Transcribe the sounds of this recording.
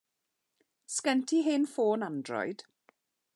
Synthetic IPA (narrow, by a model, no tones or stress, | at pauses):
skɛntʰiɦeːnfoːnandrɔ̰jd̥